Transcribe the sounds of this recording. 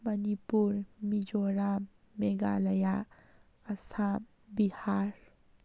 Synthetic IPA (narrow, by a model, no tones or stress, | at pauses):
mənipuɾmid͡ʒoɾa | meɡa̰ləja | əsa | bihaɾ